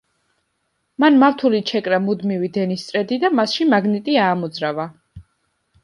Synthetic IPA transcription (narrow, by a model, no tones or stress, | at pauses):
manmaft̪ʰulit͡ʃʰɛkʼɾamud̪mivid̪ɛnist̪sʼɾɛd̪id̪amasʃimaɡnit̪ʼiaːmɔd̪zɾava